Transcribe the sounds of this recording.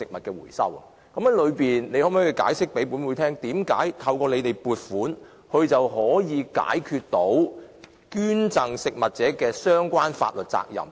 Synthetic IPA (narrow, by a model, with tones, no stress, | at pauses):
sɪ˨k̚mɐ˨t̚kɛː˧wṵː˨˩jsɐ̰˥wɐ̰˨ | kɐ˨˥mɐ˥lɵ˨˧ɥpiː˨nne˨˧jhɔː˨˥m˨˥ji˧ka̰ː˨˥jsɪ˥k̚pe˨˥jpu˨˥nwuː˨˧jt̪ʰɛː˥ŋt̪iː˨˥mkaː˨˥jt̪ʰɐ˧wkɔː˧le˨˧jt̪e˨˩jpuː˨˩t̚fuː˨˥n | hɵ˨˧ɥt͡sɐ˨wɦɔː˨˥jiː˨˧ka̰ː˨˥jkʰyː˧t̚t̪o˨˥w | kyː˥nt͡sɐ˨ŋsɪ˨k̚mɐ˨t̚t͡sɛː˨˥kɛː˧sœː˥ŋkʷwaː˥nfa̰ː˧t̚lɵ˨t̚t͡sa̰ː˧k̚jɐ̰˨˩m